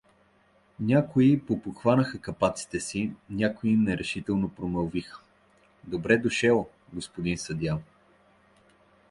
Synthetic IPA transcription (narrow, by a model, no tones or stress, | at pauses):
nʲakoipopoxvanəxəkɐpat̪si̥t̪ɛsinʲakoiimnɛɾɛʃit̪ɛlˠnopɾomɐlˠvixə̥ | d̪obɾɛd̪oʃɛlˠ | ɡospod̪insɐd̪jan